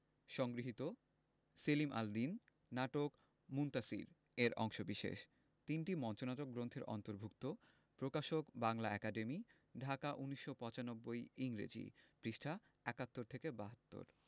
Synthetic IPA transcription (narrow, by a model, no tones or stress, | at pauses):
ʃɔŋɡɾiɦit̪o | selimʔa̰ld̪inː | aʈok | munt̪asḭɾ | eɾɔ̰ŋʃobiʃḛʃ | t̪inʈimɔnt͡ɕonat̪ok̚ɡɾont̪ʰeɾʔɔ̰nt̪oɾbʱuk̚t̪o | pɾokaʃokbaŋlaɛkaɖemi | ɖʱakaʔuniʃːopɔ̃t͡ɕanobːojiŋɾḛd͡ʑḭpɾiʃʈʰa | ɛkat̪ːoɾt̪ʰekebaɦat̪ːo̰ɾ